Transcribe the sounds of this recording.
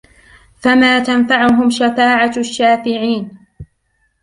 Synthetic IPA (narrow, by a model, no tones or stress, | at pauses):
famaːt̪anfaʕʊɦʊmʃafaːʕaʃːaːfɪʕiːn